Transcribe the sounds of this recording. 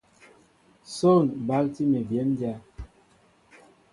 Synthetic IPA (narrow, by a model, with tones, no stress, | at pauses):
so˦˨nba˦lti˦me˨bjɛ˨˦mdja˦